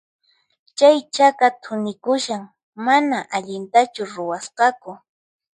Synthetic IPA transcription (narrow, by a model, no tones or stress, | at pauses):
t͡ʃajt͡ʃakat̪ʰʊnɪkʊʃaŋ | manaʔaʎɪnt̪at͡ʃʊɾʊwasqɑkʊ